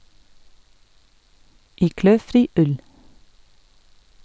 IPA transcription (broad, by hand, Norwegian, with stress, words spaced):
ˈiː ˈkløːˌfɾiː ˈʉl